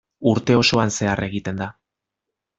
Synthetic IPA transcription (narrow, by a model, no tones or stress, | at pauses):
uɾt̪e̞o̞so̞anse̞are̞ɣ̞it̪e̞nd̪a